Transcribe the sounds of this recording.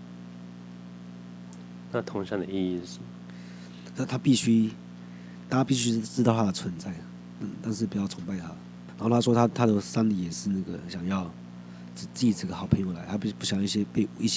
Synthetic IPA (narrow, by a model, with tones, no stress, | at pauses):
na˥˨t̪ʰʊ˧˥ŋɕjɑ˥˩ŋd̪ə˨i˥˧i˥˧˩su˨˩ | na˥˩t̪ʰa˥pi˥˩ɕy˥ | t̪a˥˩t͡ɕa˥pi˥˧ɕy˥ʈ͡ʂɻ̩˥t̪ɑ˥˧ʊt̪ʰa˥d̪ə˩t͡sʰwə˧˦nt͡sa˥˩ɪ | t̪a˥˧nt̪a˥˧nʂ̬ɻ̩˥˩pu˨˩jɑ˥˩ʊʊ˧˥ŋpa˥˧ɪt̪ʰa̰˥ | n˧˨˧xo˥˧˩t̪ʰa˥ʂwɔ˥t̪ʰa˥t̪ʰa˥d̪ə˨˩sa˥nli˨˩jɛ˨˩ʂɻ̩˥˧na˥˩ɡə˩ɕjɑ˨˩ŋjɑ˥˩˧ʊ | ʈ͡ʂ̩˨˩t͡si˥˩i˨˩ʈ͡ʂə˥˩ɡə˩xɑ˨˩ʊpʰə˧˥ŋjo˧˥la˧˦ɪt̪ʰa˥pi˥˩˥pu˥˩ɕjɑ˨˩ŋi˥˩ɕjɛ˥pe˥˩ɪi˥˩ɕ